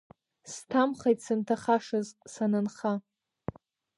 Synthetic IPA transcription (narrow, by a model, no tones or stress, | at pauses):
stʰamχajtʼsɨntʰaχaʂɨzsanɨnχa